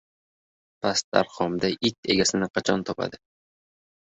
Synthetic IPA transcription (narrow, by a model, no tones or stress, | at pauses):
pʰast̪a̰ɾqɒmd̪aʔɪt̪ʰe̞ɡʲasɪnɪqʰɑt͡ʃʰɒnt̪ʰɒpʰa̰d̪ɪ